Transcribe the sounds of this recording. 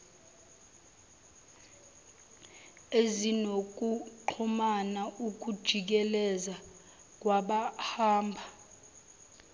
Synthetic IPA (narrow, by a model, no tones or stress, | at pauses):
ezinok̬ʼuǃʰɔmanaʔuk̬ud̥ʒ̥ʱik̬ɛlɛza | k̬ʼwaɓahaːmbʱa